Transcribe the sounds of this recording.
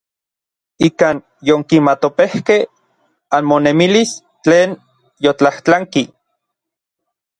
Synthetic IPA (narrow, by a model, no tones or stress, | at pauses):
ikaːn | joŋkimat̪opehkeh | anmonemilis | t͡ɬeːn | jot͡ɬaht͡ɬaŋki